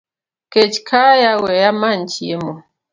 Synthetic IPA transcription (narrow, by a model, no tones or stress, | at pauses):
ket͡ʃkʰajawɛjaman̩t͡ʃiemɔ